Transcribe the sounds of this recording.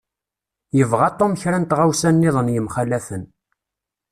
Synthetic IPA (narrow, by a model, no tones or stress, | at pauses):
jəvʁat̪ˤːoməçɾænt̪ʁawsænːɪðˤənjəmχælːæθən